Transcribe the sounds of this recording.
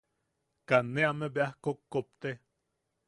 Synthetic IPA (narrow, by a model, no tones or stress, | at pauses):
kaneamebeahkokːop̚t̪e